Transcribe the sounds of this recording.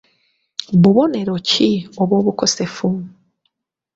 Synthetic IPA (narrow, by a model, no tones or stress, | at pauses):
βuβo̞ne̞ɾo̞cʰioβwo̞ːβuko̞se̞fu